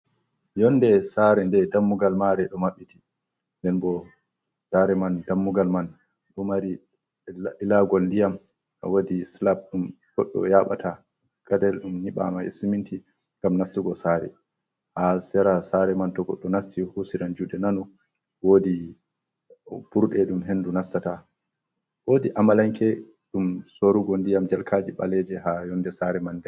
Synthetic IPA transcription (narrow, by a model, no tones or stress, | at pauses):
jɔnːdɛsaɾɛndɛdamːuɡalmaɾɛɗɔmaɓːitʰi̥ | ndɛnbɔ | saɾɛmandamːuɡalman | ɗɔmaɾi | ɛlaɡɔldijam | ʔa̰wodislab̚ɗum | kɔ̰ɗːɔ̰jaɓa̰ta | kadɛlɗumniɓa̰maḛsumintʰi | ŋɡamnastiɡɔsaːɾɛ̰ | hasɛɾasaɾɛmantɔɡɔ̰ɗːɔnastihusiɾand͡ʒudɛnanɔ | woːdi | buɾɗɛɗumɦendunastata | wodiʔamalaŋkɛ | ɗumsoɾuɡɔndijamd͡ʒalkʰad͡ʒiɓalɛd͡ʒɛɦajɔnːdɛsaɾɛmandɛ